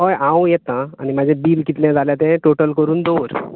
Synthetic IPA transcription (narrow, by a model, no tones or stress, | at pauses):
ɦojãwjɛt̪ãañimad͡ʑʱẽbiːlkit̪ljãd͡zʱaljat̪ɛ̃ʈoʈəlkəɾuːnd̪oɾ